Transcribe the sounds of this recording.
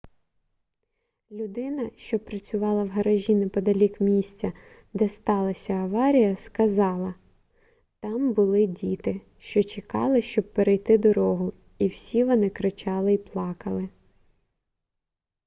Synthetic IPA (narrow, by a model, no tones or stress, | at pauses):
lʲʊd̪ɪnɐʃt͡ʃɔpɾɐt͡sʲʊʋɑlˠɐwɦɐɾɐʒʲinɪpɔd̪ɐlʲikmʲisʲt͡sʲɐ | d̪ɛst̪ɑlˠɐsʲɐɐʋɑɾʲijɐskɐzɑlˠɐ | t̪ɑmbʊlˠɪdʲit̪ɪ | ʃt͡ʃɔt͡ʃekɑ̰lˠɪʃt͡ʃɔb̚peɾejt̪ɪd̪ɔɾɔɦʊ | iwsʲiʋɔnɪkɾɪt͡ʃɑlˠɪiplˠɑkɐlˠɪ